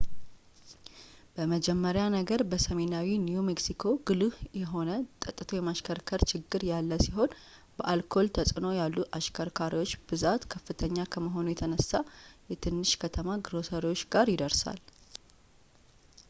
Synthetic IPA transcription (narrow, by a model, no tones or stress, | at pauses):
b̥əməd͡ʒɛmːəɾjanəɡəɾbəsəme̞nawinjumeksikʰo̞ɡ̥ɨlɨhjɛɦo̞nət̪ʼət̪ʼːɨt̪ʰojɛmaʃkʰəɾkʰəɾt͡ʃʰɪɡːɨɾjalːəsiɦo̞n | bəʔalkʰo̞lt̪ʰəsʼɨno̞jalːuʔaʃkʰəɾkʰaɾiwo̞t͡ʃːb̥ɨzat̪kʰəfːɨt̪ʰəɲːakʰəməɦo̞nujɛt̪ʰənəsːajɛt̪ʰɨnːɨʃkʰət̪ʰəmaɡɨɾo̞səɾiwo̞t͡ʃːɡaɾjɪd̪əɾsa̰l